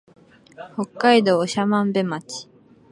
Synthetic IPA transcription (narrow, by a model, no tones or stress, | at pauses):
ho̞kːaid̪o̞ːɕamãmbe̞mat͡ɕi̥